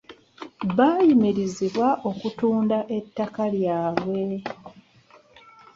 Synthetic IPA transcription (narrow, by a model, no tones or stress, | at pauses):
βaːjimiɾiziβwaʔo̞kutuːndaʔe̞tːakaljaːβwe̞